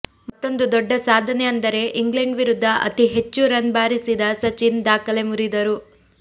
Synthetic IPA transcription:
mɐt̪ːo̞nd̪ud̪ɔɖːɐsaːd̪ʱɐneɐnd̪ɐɾe̞ʔiŋɡleɳɖʋiɾud̪ʱːɐʔɐ̰t̪iɦe̞t͡ʃːuɾɐnbaːɾisid̪ɐsɐt͡ʃind̪aːkɐle̞muɾid̪ɐɾu

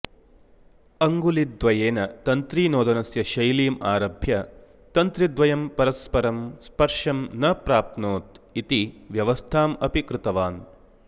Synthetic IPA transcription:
ɐŋɡulid̪ʋɐjeːnɐt̪ɐnt̪ɾiːnoːd̪ɐnɐsjɐʃɐjliːmaːɾɐbʱjɐ | t̪ɐnt̪ɾid̪ʋɐjɐmpɐɾɐspɐɾɐmspɐɾʂɐmnɐpɾaːp̚t̪noːt̪it̪iʋjɐʋɐst̪ʰaːmɐpikɾɨt̪ɐʋaːn

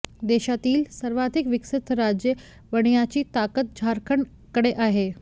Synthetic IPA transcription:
d̪eːʃat̪iːlsɐɾʋaːd̪ʱɪkʋɪksɪt̪ɾaːd͡ʑjə | ʋɐɽ̃ijat͡ɕiːt̪aːkət̪̚d͡ʑʱaːɾkʰəɳ | kəɽeʔaːɦeː

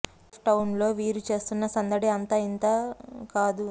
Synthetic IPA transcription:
ʈɐwnlo̞ːʋiːɾut͡ʃe̞ːst̪unːɐsɐnd̪ɐɽiɐnt̪ɐːint̪aːkaːd̪u

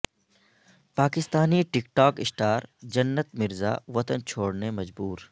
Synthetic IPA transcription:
paːkɪst̪aːniʈɪkʈaːkɪsʈaːɾd͡ʒɐnːət̪mɪɾza̰ʋɐt̪ənt͡ʃʰoːɽnemɐd͡ʒbuːɾ

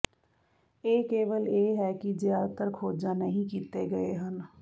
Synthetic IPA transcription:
eːkeːʋəljeːɦɛkid͡ʒjaːd̪t̪əɾkʰoːd͡ʒanɐɦĩkiːt̪eɡɐeɦən

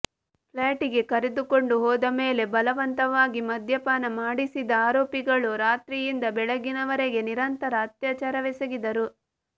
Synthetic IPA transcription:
plaːʈiɡe̞kɐɾed̪uko̞ɳɖuɦɔːd̪ɐmeːle̞bɐlɐʋɐnt̪ɐʋaːɡimɐd̪ʱjɐpaːnɐmaːɽisid̪ɐaːɾoːpiɡɐɭuɾaːt̪ɾijind̪ɐbɛɭɐɡinɐʋɐɾeɡe̞niɾɐnt̪ɐɾɐːt̪jaːt͡ʃaːɾɐʋɛsɐɡid̪ɐɾu

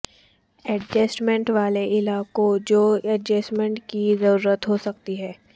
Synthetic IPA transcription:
ɛɖd͡ʒɛsʈmɛ̃ɳʈʋaːleʔɪlaːkod͡ʒoːɛʈd͡ʒɛːsʈmɛ̃ɳʈkizɐɾuːɾət̪ɦosɐk̚t̪iɦɛː

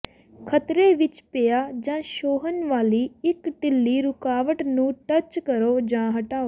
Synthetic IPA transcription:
kʰət̪ɾeːʋɪt͡ʃpejaːd͡ʒãːʃoːɦənʋaːliːɪkʈɪlːiːɾʊkaːʋəʈnũːʈət͡ʃkəɾoːd͡ʒãːɦəʈaːoː

